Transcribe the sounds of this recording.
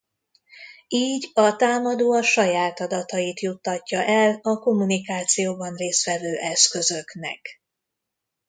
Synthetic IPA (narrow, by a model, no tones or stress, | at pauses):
iːɟɒt̪aːmɒd̪oːɒʃɒjaːt̪ɒd̪ɒt̪ɒit̪jut̪ːɒcːɒʔɛlɒko̞munikaːt̪sijoːbɒnreːst̪ʋɛvøːʔɛskø̞zøknɛ̰k